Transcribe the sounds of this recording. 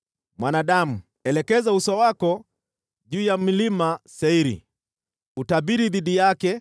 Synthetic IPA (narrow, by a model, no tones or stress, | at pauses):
mwanaɗamu | ɛlɛkɛzausɔwakɔ | ʄuːjam̩limasɛiɾḭ | utaɓiɾiðiɗijakɛ